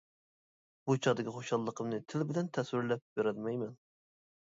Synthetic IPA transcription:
b̥ut͡ʃʰɑd̪ɪkʲiχoʃɑlˠːəqʰəmnɨt̪ʰɪlbɪlɛnt̪ʰɛswɪɾlɛp̚beɾɛlmɛjmɛn

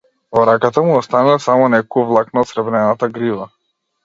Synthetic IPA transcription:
vɔɾakat̪amuɔst̪anasamɔnɛkɔuvlˠaknaɔt̪sɾɛbɾɛnat̪aɡɾiva

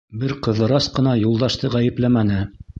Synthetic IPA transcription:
bɘɾqɤ̆ðɤ̆ɾɑsqɤ̆nɑjulˠd̪ɑʃt̪ɤʁæjɘ̆plæmænɘ

